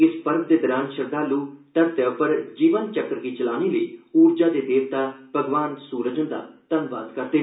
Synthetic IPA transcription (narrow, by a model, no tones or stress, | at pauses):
ɪspəɾb̚d̪eːd̪əɾaːnʃəɾd̪aːluːt̪əɾt̪əpəɾd͡ʒiːʋənt͡ʃəkɾkiːt͡ʃəlaːniːləiːuːɾd͡ʒaːd̪eːd̪eːʋt̪aːpəɡʋaːnsuːɾəd͡ʒənd̪a̰ːt̪ənʋa̰ːd̪kəɾd̪eː